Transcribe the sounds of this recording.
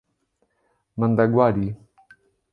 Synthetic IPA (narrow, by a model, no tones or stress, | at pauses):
mand̪aɡwaːɾi